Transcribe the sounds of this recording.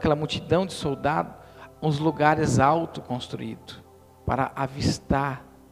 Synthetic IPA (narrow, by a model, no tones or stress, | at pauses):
kɛlɐmut͡ʃid̪ɐ̃w̃d͡ʒɪsowd̪ad̪ʊ | ũzluɡaɾɪzawt̪ʊkõst̪ɾṵid̪ʊ | pa̰ɾɐ̰ʔavist̪aɾ